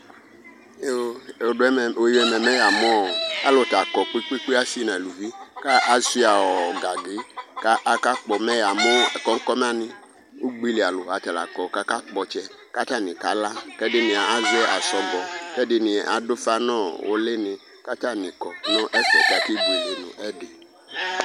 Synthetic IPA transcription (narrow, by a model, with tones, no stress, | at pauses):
o˨ɛ˦˨o˨ji˦ɛ˨mɛ˨mɛ˦ja˨mɔ̃˦o˨a˦lo˨ta˨kɔ˨k͡pi˦k͡pi˦k͡pe˦a˦si˦nã˨lu˨vi˦ka˦ʔa˨si˦a˨wɔ˨ɡa˨ɡe˨˦ka˦ʔa˦ka˦k͡pɔ˨mɛ˦ja˨mɔ̃˦˨kɔ˦ŋ̩˦kɔ˦mɛ˦a˦˨nɪ̃˦ | o˦ɡ͡bi˦li˨a˨lo˨a˨tɛ˨la̰˨kɔ˨ka˦ka˦k͡pɔ˨t͡ʃɛ˦ | ka˦ta˦˨nĩ˨ka˦la˦kɛ˦dɪ˦nɪ̃˨a˨a˦zɛ˦ʔa˨sɔ˨ɡɔ˨kɛ˦dɪ˦nɪ̃˨ʔa̰˨do˦fa˦nɔ̃˦˨wʔo̰˦le˦nɪ̃˨ | ka˦ta˦nĩ˨kɔ˨nɔ̃˦ʔɛ˦fɛ̰˨ta˨ki˦ɡ͡bi˨le˨nṵ̃˨ʔɛ˦dɪ˨